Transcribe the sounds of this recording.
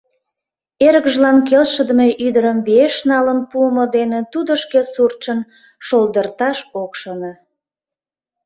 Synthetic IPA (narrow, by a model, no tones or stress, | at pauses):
eɾəkʒlɑmkelʃəd̪əmeʔyd̪əɾəmβeʃnɑlənpuəmod̪enet̪ud̪əʃkesurt͡ɕən | ʃold̪ərt̪ɑʃokʃonɑ